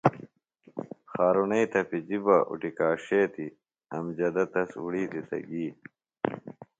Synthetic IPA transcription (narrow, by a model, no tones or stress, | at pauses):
xaːɾunɐit̪ɐpid͡ʑibɐʔṵʈikaːɕeːt̪i | ɐmd͡ʑɐd̪ɐt̪ɐsuɽiːt̪it̪ɐ̰ɡiː